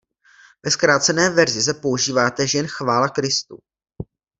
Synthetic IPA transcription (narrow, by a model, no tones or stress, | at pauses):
vɛskɾaːt̪t͡sɛnɛːvɛɾzɪs̬ɛpo̞uʒiːvaːt̪ɛʒɛnxvaːlakɾɪst̪ṵ